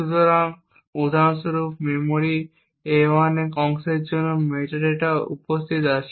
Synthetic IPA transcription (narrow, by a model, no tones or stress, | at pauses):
ut̪oɾaŋ | ud̪ʱanʃoɾupʰmeɾmoɾi | ewanekɔŋseɾd͡ʑonːomeʈaɾeʈaṵpost̪ʰit̪aʃʰ